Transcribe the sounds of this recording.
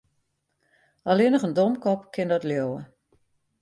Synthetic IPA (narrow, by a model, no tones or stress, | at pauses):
alɪnəχəndomkɔpkʰɪndɔtljowə̰